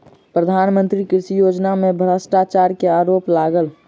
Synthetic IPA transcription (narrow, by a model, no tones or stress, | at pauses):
pɾəd̪ʱaːnmə̃nt̪ɾikɾɪʃijod͡ʒnamebʱɾəsʈat͡ʃaɾkeaːɾoːplaɡəl